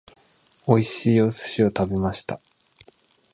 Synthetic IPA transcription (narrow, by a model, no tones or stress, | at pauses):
o̞iɕiːjo̞sɨ̥ɕio̞t̪abe̞maɕi̥t̪a